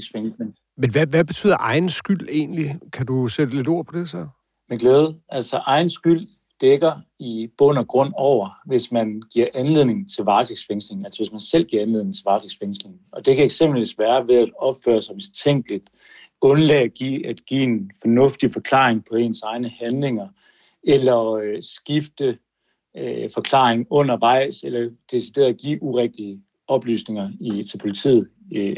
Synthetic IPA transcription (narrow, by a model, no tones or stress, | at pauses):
sfeŋseŋ | menʋæʋæb̥et͡sʰy̰ðˠɐʔɑ̈ɪnsɡ̥yl̰e̝̰ːnlikʰæd̥used̥əle̝do̝ɐ̰pʰɒ̽d̥e̝sɒ | meɡ̥leːð̞ˠəʔælsɒʔɑ̈ɪn̩sɡ̥yl̰ | d̥eɡ̥ɐib̥ɔ̽n̰ɐɡ̥ʁɔ̽n̰ɒʊ̰ɐʋe̝smænɡ̥iɐ̰ʔænle̝ð̰ˠne̝ŋn̩t͡sʰe̝lʋɑ̈ːt͡sʰeɡ̥sfeŋsle̝ŋn̩ælsɒʋe̝smænsel̰ɡ̥iɐænleð̰ˠneŋ̩t͡sʰelʋɑ̈t͡sʰeɡ̥sfeŋsle̝ŋn̩ɒ̽d̥e̝kʰæeɡ̥sem̰b̥l̩ʋḭsʋæːɐʋe̝ðˠæd̥ɒ̽b̥fø̰ːɐsɒ̽me̥t͡sʰeŋ̰ɡ̥lid̥ | ɔ̽nlɛːɡ̥ḭːæd̥ɡ̥ḭːenfɒ̽nɔ̽fd̥ifɒ̽kʰlɑ̰̈ːeŋpʰɒ̽e̝ːnsɑ̈ɪnəhænle̝ŋɐ | elɐøsɡ̥ifd̥ə | fɒ̽kʰlɑ̰̈ːeŋɔ̽n̰ɐʋɑ̈ɪ̰selɐd̥e̝sid̥e̝ːɐðˠɡ̥ḭːʔuʁɛɡ̥̚d̥iə | ɒ̽b̥ly̰ːsne̝ŋɐit͡sʰe̝lpʰo̝lit͡sʰḭð̩ˠ